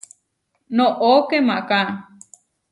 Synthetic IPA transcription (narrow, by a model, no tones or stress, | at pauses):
nõʔokemãʔkã